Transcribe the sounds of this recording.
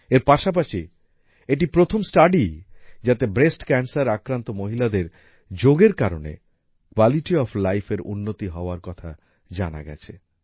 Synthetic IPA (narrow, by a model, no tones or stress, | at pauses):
eɾpaʃap̬aʃi | eʈipɾot̪ʰomsʈaɖid͡ʑat̪ebɾesʈkɛnsaɾakɾant̪omoɦilad̪eɾ | d͡ʑoɡeɾkaɾonḛ | kwaliʈiɔflajfeɾṵnːot̪iɦɔoaɾkɔt̪ʰa̰ | d͡ʑana̰ɡɛ̰t͡ɕʰe